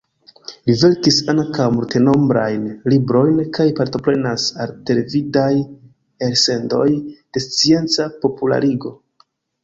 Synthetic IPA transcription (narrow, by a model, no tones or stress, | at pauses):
live̞ɾkisaŋkawmulte̞no̞mbɾa̰jnlibɾo̞jnkajpaɾto̞pɾe̞nasalte̞le̞vidaj | eɾse̞ndo̞̰jd̥e̞st͡sie̞nt͡sapo̞pula̰ɾiɡo̞